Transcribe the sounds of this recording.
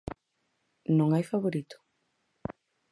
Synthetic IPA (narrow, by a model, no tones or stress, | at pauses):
nõŋajfaβoɾit̪ʊ̥